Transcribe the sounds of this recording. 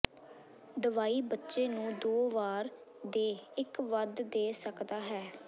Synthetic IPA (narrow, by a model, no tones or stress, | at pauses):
d̪əʋaːiːbətːʃeːnũːd̪oːʋaːɾ | d̪eːɪkʋəd̪d̪eːsəkd̪aːɦɛː